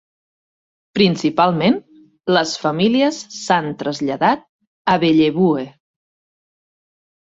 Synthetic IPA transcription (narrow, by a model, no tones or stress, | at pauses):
pɾinsipalˠmen | ləsfəmiliəsːant̪ɾəzʎəðat̪̚ | əβeʎeβue